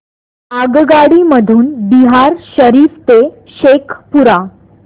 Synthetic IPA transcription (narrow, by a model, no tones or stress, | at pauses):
aɡɡaɽiməd̪ʱuːnbiɦaɾɕəɾift̪e | ɕekʰpuɾa